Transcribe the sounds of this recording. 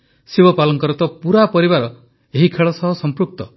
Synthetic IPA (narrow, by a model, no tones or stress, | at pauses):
sibɔpalɔŋkɔɾɔt̪ɔpuɾapɔɾibaɾɔ | eɦikʰeɭɔsɔɦɔsɔmpɾuk̚t̪ɔ